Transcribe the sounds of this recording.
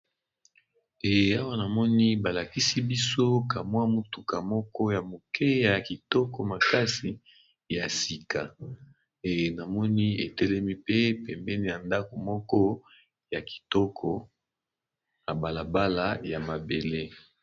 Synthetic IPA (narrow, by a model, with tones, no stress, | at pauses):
e˨a˦wa˦na˨mɔ˦ni˦ba˨la˨ki˦si˦bi˦so˦ka˨mwa˦mo˨tu˨ka˨mɔ˦kɔ˦ja˨mo˨kʰɛ˦ja˨ki˨tɔ˦kɔ˨ma˨ka˦si˨ | ja˨si˨ka˨ | e˨na˨mɔ˦ni˦e˨tɛ˦lɛ˦mi˦pe˦pɛ˨mbɛ˦ni˦ja˨nda˦ko˨mɔ˦kɔ˦ | ja˨ki̥˨tɔ˦kʰɔ˨ | na˨ba˨la˨ba˦la˨ja˨ma˨be˨le˦